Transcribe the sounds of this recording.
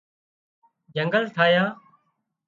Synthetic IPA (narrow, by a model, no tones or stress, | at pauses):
d͡ʒəŋɡəlt̪ʰaːjaː